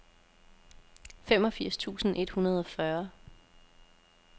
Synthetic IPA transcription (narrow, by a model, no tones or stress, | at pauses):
fem̰ɒ̽fiɐ̰st͡sʰṵːsn̩ʔe̝d̥hunɐð̞ˠɒ̽fɶɐ